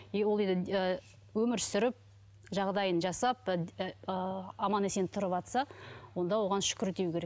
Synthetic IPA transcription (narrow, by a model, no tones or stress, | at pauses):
wolˠe̞nd̪ɪə | wɵmɪɾsʏɾɪp̚ | ʒɑʁd̪ɑjənʒɑsɑp̚ | ɑmɑnese̞nɪt̪ʰʊɾəpɑt̪sɑwo̞nd̪ɑwo̞ʁɑnʃʏ̥kʲɪɾt̪ewkʰʲe̞ɾek̚